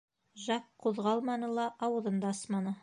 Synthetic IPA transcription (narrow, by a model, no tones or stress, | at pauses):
ʒɑqqʰːuðʁɑlˠmɑnɤ̆lˠɑʔɑwɤ̆ðɤnd̪ɑsmɑnɤ